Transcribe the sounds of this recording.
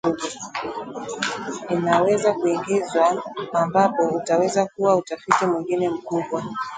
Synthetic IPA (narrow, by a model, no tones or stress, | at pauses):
ninawɛzakuiŋɡizwaːmbapɔutawɛzakuwautafitimwiŋɡinɛm̩kuɓwa